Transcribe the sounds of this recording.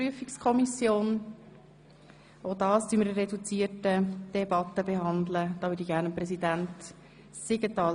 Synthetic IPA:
yəfikskʰɔmisjoːn | odɑːstyməɾərɛdut͡siːtəd̥ɛbɑt̪ːəbeɦɑnd̪ləd̪̥ɑːvʏːdiçɡæːɾnəmprɛsidænt | sɪɡətɑː

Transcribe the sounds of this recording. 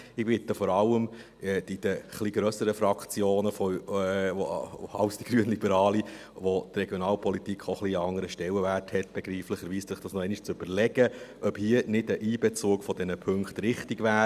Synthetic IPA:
ɪb̥ɪt̪əfɔɾɑlːəm | ɛːdid̥əχliɡɾœsəɾəfɾɑkʰt͡sjoːnəfɔ | ɑ̰ʊsd̥iɡ̥ɾyːənlibəɾɑːli | ʋot̪rɛɡjonɑːlpʰɔlitikχoχliɑŋəɾəʃtɛlːəvæːrthɛtb̥ɛɡɾiːfləχəɾʋiːssɪχd̥ɑsnɔɛɪniʃt͡søb̥əɾlɛɡəʔœphiːənɪdəʔiːbɛt͡suːkfɔdɛnəpʰɵŋkχtɾɪχtɪɡʋæː

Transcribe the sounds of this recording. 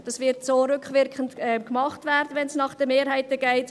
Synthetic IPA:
d̥ɑsʋɪɾtsoːɾʏkvʋɪɾkχəntɛmkmɑχtvɛɾdəʋɛnsnɑχd̥əmeːɾɦaɪtəɡ̥ɛɪt

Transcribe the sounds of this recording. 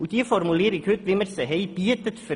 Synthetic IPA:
ud̪iːəfɔɾmuleːɾɪkhʉt̪ʋɪməɾsəɦeɪb̥iət̪ət̪fə

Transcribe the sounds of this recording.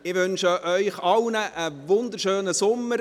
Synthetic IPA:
ɪʋʏnʃəʔœʏχɑlwnəʔəʋʊnd̪əɾʃøːnəsʊmːəɾ

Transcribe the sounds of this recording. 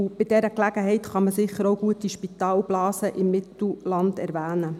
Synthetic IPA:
b̥ɪd̥ɛɾəklæɡəɦɛɪt̪χɑməsɪχəɾoʊɡuətiʃpit̪ɑːlblɑːsəʔɪmːɪt̪l̩lɑnd̥ɛɾʋæːnə

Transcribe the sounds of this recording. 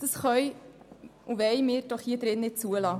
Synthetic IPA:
d̥əsχœʏ | uʋɛɪmɪːɾd̥ɔχhiəd̥̪ɾɪnːɪt̚t͡suəlɑː

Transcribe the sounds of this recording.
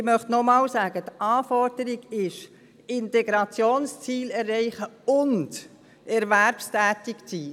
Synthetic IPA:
ɪmœχtnɔmɑːlsɑːɡ̥ətʔɑːfɔɾd̥əɾɪɡɪʃ | ɪntɛɡɾɑt͡sjoːnst͡siːlɛrːɛɪχəʊnd | ʔɛɾʋæɾpstæːtɪkt͡siː

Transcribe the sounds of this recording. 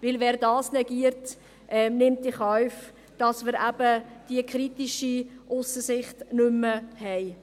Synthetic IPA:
vɪlvɛːɾdɑːsnɛɡiəɾt | ʔɛnɪmt̚iχɔɥf | d̥ɑsməɾæb̥əd̥iəkχɾitiʃiʔʊsəsɪχtnʏməhɛɪ

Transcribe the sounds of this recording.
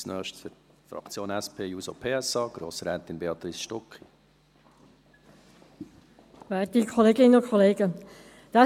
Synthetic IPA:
snœːʃtfə | fɾɑ̰kt͡sjoːnɛspʰeːjuːsopʰeːɛsɑːɡ̥ɾoːsɾɛːt̪inbeɑt̪ɾisʃtɔkχi | vɛːt̪ikʰɔleːɡɪnənʊkʰɔleːɡə | d̥ɑ

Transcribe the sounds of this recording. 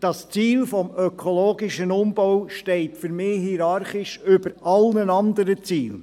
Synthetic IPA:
d̥ɑst͡siːlfɔmœkʰoloːɡɪʃənʊmb̥ɔwʃtɛɪtfʏɾmɪːhiɾɑɾχɪʃʏb̥əɾɑlnənɑnd̪əɾət͡siːl

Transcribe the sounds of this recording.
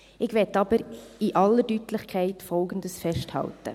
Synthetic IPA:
ɪɡʋɛtːɑbəɾiʔɑlːədytlɪχkʰɛɪtfɔlɡən̩dəsfɛʃthɑ̰ltə̰

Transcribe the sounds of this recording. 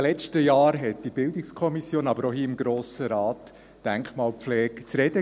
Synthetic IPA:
lɛt͡ʃtəjɑːɾɦɛt̚d̥ibɪldɪkskʰɔmisjoːnɑbəɾoɦiːɪmɡɾoːsəɾɑːt̪ | d̥æŋkχmɑːlflɛːkt͡sɾɛd̥ə

